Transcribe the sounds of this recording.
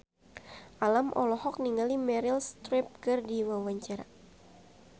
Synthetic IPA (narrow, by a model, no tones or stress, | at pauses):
ʔalamʔɔ̰lɔhɔk̚niŋalimɛɾilst̪ɾɛp̚kɨrdiwawaɲt͡ʃaɾa̰